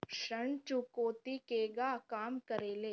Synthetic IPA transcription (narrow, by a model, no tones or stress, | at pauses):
ʃɐɳ̃t͡ʃukoːt̪ikeːɡakaːmkəɾeːleː